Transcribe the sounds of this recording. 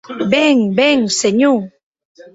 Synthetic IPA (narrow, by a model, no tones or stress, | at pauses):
bɛŋbɛŋseɲuŋ